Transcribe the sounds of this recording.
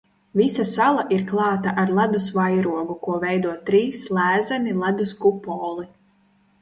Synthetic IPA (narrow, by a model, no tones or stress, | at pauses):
visasalˠaʔiɾklˠɑːt̪aʔaɾlˠad̪usvajɾuɔɡukuɔvɛjd̪uɔt̪ɾiːslˠæːzanilˠad̪uskupɔːlˠi